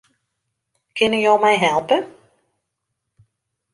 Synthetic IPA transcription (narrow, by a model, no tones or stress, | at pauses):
kʰɪnəjɔwmɛjɦɛlˠpə